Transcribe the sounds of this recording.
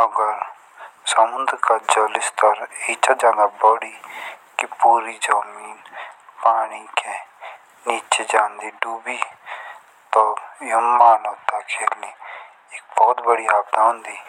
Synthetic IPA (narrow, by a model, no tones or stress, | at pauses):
əɡəɾ | samʊ̃nd̪ɾkad͡ʒəlɪst̪əɾiːt͡ʃad͡ʒaːd̪abɔɽikipuːɾid͡ʒamiːnpaːɽ̃ike | niːt͡ʃed͡ʒaːnd̪iːɖuːbi | t̪ojomːaːlot̪akʰeːli | ɪk̚bɔːt̪bəɽiaːb̚d̪ãõːnd̪iː